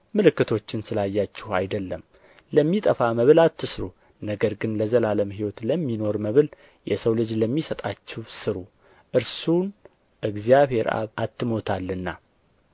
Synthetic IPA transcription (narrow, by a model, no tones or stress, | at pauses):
mɨlɨkːɨt̪ʰo̞t͡ʃːɪnsɨlajːat͡ʃːɪha̰jd̪əlːəm | ləmːit̪ʼəfaməβɨlat̪ʰːɨsɾu | nəɡəɾɡɨnləzəlaləmɦiwɔt̪ləmːino̞ɾməβɨl | jɛsəwlɨd͡ʒləmːisət̪ʼat͡ʃːɪwsɨɾu | ʔɨɾsun | ʔɨɡzijaβhe̞ɾa̰βat̪ːɨmo̞t̪ʰalːɨnːa